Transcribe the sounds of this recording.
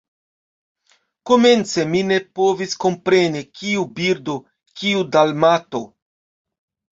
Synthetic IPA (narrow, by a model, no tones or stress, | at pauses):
ko̞me̞nt͡se̞mine̞po̞visko̞mpɾe̞nikiubiɾdo̞ | kiudalmato̞